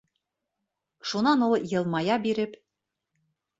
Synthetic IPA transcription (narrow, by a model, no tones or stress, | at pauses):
ʃunɑnolˠjɤ̆lˠmɑjɑbiɾɘ̆p